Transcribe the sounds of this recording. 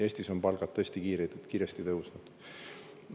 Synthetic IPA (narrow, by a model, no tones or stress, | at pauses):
eːsʲt̪isompɑlɡ̥ɑt̪̚t̪ːɤesʲt̪ikiːɾet̪ːut̪kiːɾest̪it̪ɤwsnud̪̥